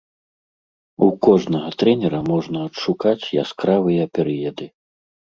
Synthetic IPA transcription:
ukɔʐnɐɣɐt̪ɾɛnʲɛɾɐmɔʐnɐɐtʂukat͡sʲja̰skɾavɨjɐpʲɛɾɨjɛd̪ɨ

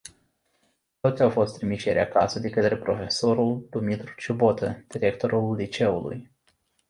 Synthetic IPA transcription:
t̪o̞t̪sʲawfo̞st̪ɾimiʃjeɾʲea̰ka̰səd̪e̞kət̪ɾe̞pɾo̞fe̞soɾuld̪̥umit̪ɾut͡ʃubo̞t̪əd̪̥iɾe̞k̚t̪o̞ɾullit͡ʃe̞ulṵj

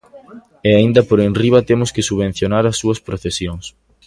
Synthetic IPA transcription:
eaind̪ɐpoɾenriβɐt̪emʊskɪsuβẽn̟θjonaɾɐsːuɐspɾoθesjoŋs

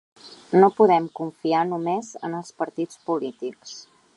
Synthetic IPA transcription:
nopuðɛmkuɱfianumezənəlˠspəɾt̪it͡spulit̪iks

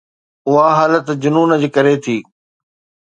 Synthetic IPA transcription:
ʊɦaɦaːlət̪d͡ʑʊnuːnəd͡ʑkɐɾet̪ʰiː

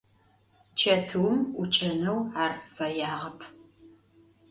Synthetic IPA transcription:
t͡ʃʰɐtʰɨwmʊt͡ʃʼɐnɐwaːrfɐjaːʁɐpʰ

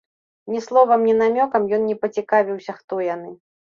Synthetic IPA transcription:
nʲɛslˠɔvɐmnʲɛnamʲɔkɐmjɔnnʲɛpɐt͡sʲikavʲiwsʲɐxt̪ɔjan̪ɨ

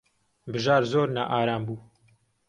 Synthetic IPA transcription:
bɨʒaːɾzoːɾnaʔaːɾaːmbuː

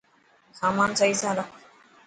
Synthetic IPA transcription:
saːmaːnsaisãːɾa

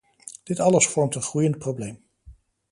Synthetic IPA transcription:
d̥ɪtɑləsfɔɹmtənχrujənt̚prowblejm

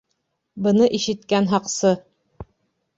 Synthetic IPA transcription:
bɤ̆nɤʔiʃɘ̆t̪kænɦɑqsɤ

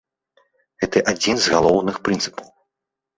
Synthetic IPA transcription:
ɣɛt̪ɐʔad͡zʲinzɣalˠɔwnɨxpɾɨnsɨ̥pɐw

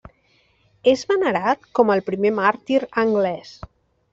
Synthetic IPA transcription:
ezβənəɾat̪kɔməlˠpɾimemaɾt̪iɾəŋɡlɛs

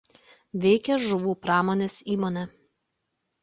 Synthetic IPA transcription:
ʋʲɛɪkʲɛʒʊʋuːpɾɑːmoːnʲeːsiːmonʲɛ

